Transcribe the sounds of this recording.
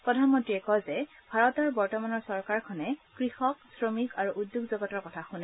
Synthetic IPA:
pɹɔdʱanmɔ̃ntɹiɛkɔzɛ | b̥ʱaɹɔtɔɹbɔɹtɔmanɔɹsɔɹkaɹkʰɔnɛkɹixɔksɹomikaɹuʔudjuɡzɔɡɔtɔɹkɔtʰaxunɛ

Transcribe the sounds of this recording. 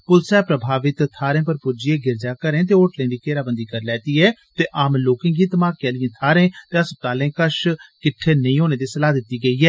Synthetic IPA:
pʊlsɛːpɾəbʱaːʋɪt̪t̪ʰaːɾẽːpəɾpʊd͡ʒɪeːɡɪɾd͡ʒaːkəɾẽːt̪̬eːoːʈlẽːd̪iːkeːɾaːbənd̪iːkəɾlɛːt̪iːɛːt̪eːʔaːmloːkɪ̃ŋɡiːt̪əmaːkːɛːlɪjẽːt̪ʰaːɾẽːt̪eːəs̚t̪aːlẽːkəʃkɪʈʰːeːnəĩːɦoːneːd̪iːsəlaːd̪ɪt̪ːiːɡəiːɛː

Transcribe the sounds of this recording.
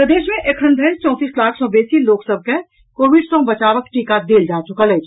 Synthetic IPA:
pɾəd̪eːʃmẽʔekʰənd̪ʱət͡ʃɔ̃ːt̪iːslaːkʰsɔ̃ːbeːsiloːksəb̚ʱke | koːʋɪɖsɔ̃ːbət͡ʃaːʋəkʈiːkad̪eːld͡ʒaːt͡ʃʊkələ

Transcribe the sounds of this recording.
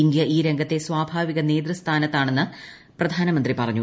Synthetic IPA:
ind̪jɐʔiːɾe̞ŋɡʱɐt̪ːe̞sʋaːbʱaːʋiɣɐne̞ːd̪rɐst̪ʰaːnɐt̪ːaːɳe̞nːɨ | prɐd̪ʱaːnɐmɐnd̪ripɐrɐɲːu

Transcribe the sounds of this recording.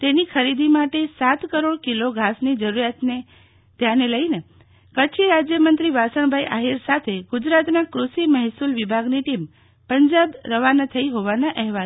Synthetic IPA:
t̪enikʰəɾid̪ʱimaʈesat̪kəɾoɽkiloɡʱasnid͡ʒəɾuɾjat̪ne | t̪janeləine | kət͡ʃʰiɾad͡ʒjəmənt̪ɾiʋasəɽ̃bʱaiʔaɦiɾsat̪ʰeɡʊd͡ʒɾat̪nakɾusiməɦsulʋibʱaɡniʈim | pəɲd͡ʒabɾəʋanat̪ʰəiɦoʋanaʔɛɦʋal

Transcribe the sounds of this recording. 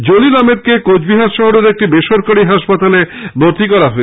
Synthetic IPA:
d͡ʑolilamet̪̚kekod͡ʑbiɦaɾʃɔɦoɾeɾek̚ʈibeʃoɾkaɽiɦaʃpat̪aleboɾt̪ikɔɾaɦɔe

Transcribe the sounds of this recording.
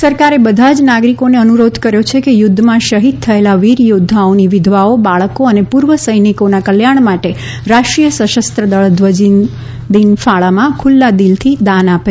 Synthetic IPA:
səɾkaɾebəd̪ʱad͡ʒnaɡɾikoneənuɾod̪ʱkəɾjot͡ʃʰekejʊd̪ʱːmãʃəɦid̪̚t̪ʰːəelaʋiɾjod̪ʱːaoniʋɪd̪ʱʋaobaɭəkoənepuɾʋəsəjnikonakəljaɳmaʈe | ɾaʃʈɾijəsəʃəst̪ɾəd̪əɭd̪ʋəd͡ʒin | d̪infaɭamãkʰʊlːad̪ilt̪ʰid̪anape

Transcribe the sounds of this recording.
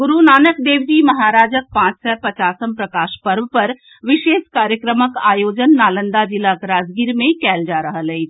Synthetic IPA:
ɡʊɾunaːnəkd̪eːʋd͡ʒiːmɐɦaːɾaːd͡ʒək̚pãːt͡ʃsɛːpɐt͡ʃaːsəmpɾɐkaːʃpɐɾʋpɐɾ | ʋɪʃeːʃkaːɾjəkɾəməkaːjoːd͡ʒənːaːlə̃nd̪ad͡ʒɪlakɾaːd͡ʒɡiːɾmẽkɛːld͡ʒaːɾɐɦalɛid͡ʒ

